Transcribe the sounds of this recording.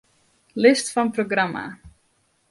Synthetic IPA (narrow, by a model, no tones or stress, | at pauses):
lɪstfɔnproɡrama̰